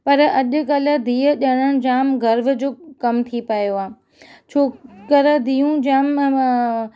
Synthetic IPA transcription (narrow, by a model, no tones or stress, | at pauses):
pɐɾɐʄʊ̆kɐlə̆d̪ʱiːəʄɐɽ̃əɽ̃d͡ʑaːmɡɐɾʋə̆d͡ʑoːkɐmt̪ʰipɐjoaː | t͡ɕʰoːkəɾəd̪ʱiːũd͡ʑaːm